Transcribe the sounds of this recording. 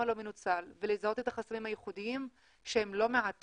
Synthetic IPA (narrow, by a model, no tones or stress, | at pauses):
alo̞menut͡salvelezao̞t̪e̞t̪aχasamimhajeχudiim | ʃeemlo̞meʕat̪